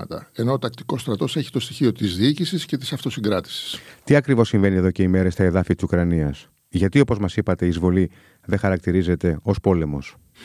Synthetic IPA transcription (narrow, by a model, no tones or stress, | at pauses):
ɐt̪ɐ̰enoːt̪ɐk̚t̪i̥ko̞st̪ɾɐt̪o̞seçi̥t̪o̞st̪içio̞t̪izðiicisisce̞t̪i̥sɐft̪o̞siŋɡɾɐt̪i̥si̥st̪iɐkɾivo̞ssiɱve̞nie̞ðo̞ceime̞ɾest̪ɐe̞ðɐfit̪i̥su̥kɾɐniɐs | ʝɐt̪io̞po̞zmɐsipɐt̪e̞iːzvo̞li | ðe̞xɐɾɐk̚t̪iɾize̞t̪e̞o̞spo̞le̞mo̞s